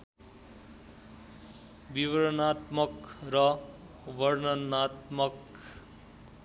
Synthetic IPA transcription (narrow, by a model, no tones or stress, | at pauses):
biʋʌɾʌnat̪mʌkɾʌ | ʋʌɾnʌnat̪mʌk